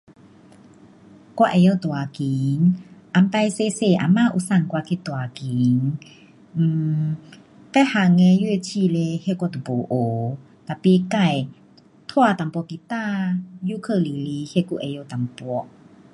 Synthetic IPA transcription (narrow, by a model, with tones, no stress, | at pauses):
kwa˧ʔɛ˧˨jə˧˨t̪u˨a˨˧ki˨˦ŋʔa˧˦mpa˧jse˧˦se˧˨ʔa̰˨˧˨ma˧˨ʔṵ˧sa˧˨nkwa˧kʰi˧˨t̪u˨a˨ki˨˦ŋ̩ː˧˩ | pɛ˦˧˨ha˧˨ŋɛ˧˦ju˧˨e˧˨t͡ɕʰi˧˨le˧˦he˧˨kwɔ˧˨t̪u˨po˨˦ʔoː˨˦ | t̪a˨pi˧˦ka˧˨j | t̪ʰwa˧˨t̪a˨mpɔ˧ki˧t̪a˧˨ju˧˦˨kʰə˧˨li˨li˧˦he˧ku˧ʔɛ˨˧˨jo˧˨t̪a˨˦mpɔ˧˦ʔ